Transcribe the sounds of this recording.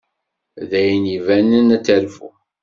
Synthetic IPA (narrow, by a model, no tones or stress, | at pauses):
ðæjnivænənæt͡sːælfṵ